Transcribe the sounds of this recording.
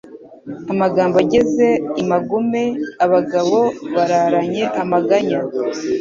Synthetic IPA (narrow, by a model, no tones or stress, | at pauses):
amaɡaːmbaɟe̞ze̞imaɡumeaβaɡaβoβaɾaɾaɲe̞ʔamaɡaɲa